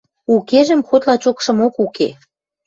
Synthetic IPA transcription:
ukeʒə̆mxot̪lɑt͡ɕokʃɤ̆mokuke

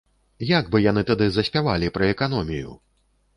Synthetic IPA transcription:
jaɡbɨjan̪ɨt̪ad̪ɨzɐsʲpʲavalʲipɾɐɛkan̪ɔmʲijṵ

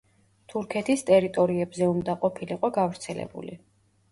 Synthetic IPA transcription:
t̪ʰuɾkʰɛt̪ʰist̪ʼɛɾit̪ʼɔɾiɛbzɛumd̪aqʼɔpʰiliqʼɔɡavɾt̪sʰɛlɛ̰bṵlḭ

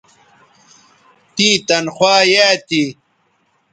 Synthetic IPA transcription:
t̪ĩːt̪ɐnxwaːjaːt̪i

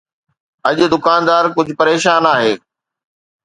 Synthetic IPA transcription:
ɐʄʊ̆d̪ʊkaːnd̪aːɾkʊd͡ʑʱʊpɐɾeːʃaːnaːɦeː

